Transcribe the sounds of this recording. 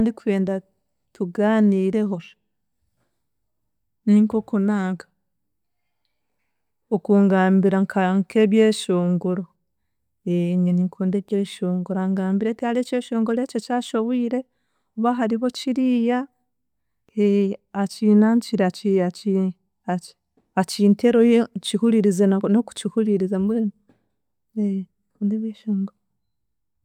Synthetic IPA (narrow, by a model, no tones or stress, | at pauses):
ndikue̞ːnda | tuɡaːniːɾe̞ɦo̞ | niŋkokunaːŋɡa | okuŋɡaːmbiɾaŋkʰaŋke̞βjeːʃoːŋɡoɾo | eɲeniŋkʰoːndeβjeːʃoːŋɡoɾaŋɡaːmbiɾetihaleːce̞ːʃo̞ːŋɡoɾececaːʃo̞βwiːɾe̞ | uβaɦaɾiβo̞ciɾija | eːcinaːɲt͡ʃiɾeat͡ʃiai | a | aciːntʰeɾojet͡ʃihuɾiɾizenoku̥cihuliɾizambweːna | e | kuːndeβjeːʃoːŋɡuɾo